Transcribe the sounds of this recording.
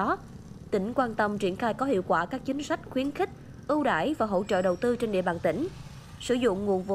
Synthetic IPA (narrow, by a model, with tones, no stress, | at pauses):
t̪ï˧˩ŋ̟kwaː˧nt̪ə˧mt͡ɕi˧˩ənxaː˧jkɔ˨˦hḭ˧˨əwkwaː˧˩kaː˦˥k̚t͡ɕï˨˦ŋ̟sa˦˥jk̟̚xwi˨˦ənxï˦˥k̟̚ | ʔɨ˧wɗa̰ː˧˩jvaː˨˩ɦo̰˧˥t͡ɕə̰ː˧˨ɗə˨˩wt̪ɨ˧t͡ɕe˧nɗḭ˧˨ɓaː˨˩nt̪ï˧˩ŋ̟ | sɨ˧˥zʊ̰˧˨ŋ͡mŋu˨˩ənvṵ˧˨